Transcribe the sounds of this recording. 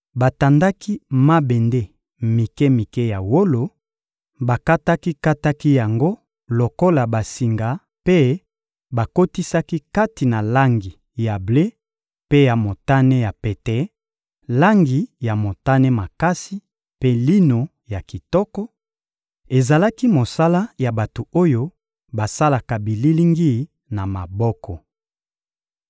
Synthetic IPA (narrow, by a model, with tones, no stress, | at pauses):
ba˨ta˨nda˦ki˦ma˦bɛ˨nde˦ | mi˨ke˦mi˨ke˦ja˨wo˦lo˨ | ba˨ka˦ta˦ki˦ka˦ta˦ki˦ja˨ŋɡo˦ | lo˨ko˦la˨ba˨si˨ŋɡa˨ | pe˦ | ba˨ko˦ti˦sa˦ki˦ka˦ti˨na˨la˦ŋɡi˨ | ja˨ble˦ | pe˦ja˨mo˨ta˦nɛ˦ja˨pɛ˨tɛ˨˦ | la˦ŋɡi˨ja˨mo˨ta˦nɛ˦ma˨ka˦si˦ | pe˦li˦no˨ | ja˨ki˨tɔ˦kɔ˦ | e˨za˨la˦ki˦mo˨sa˦la˦ja˨ba˨to˨o˦jo˦ | ba˨sa˦la˨ka˨bi˨li˦li˦ŋɡi˦ | na˨ma˨bɔ˦kɔ˨